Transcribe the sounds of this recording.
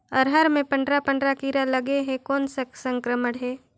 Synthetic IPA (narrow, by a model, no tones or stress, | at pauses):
ɔːɾɦəɾmẽpɐ̃ɳɖɾapə̃ɳɖɾakiːɾalɐɡeɦẽkɔːnsaksə̃ŋkɾəməɽɦɛː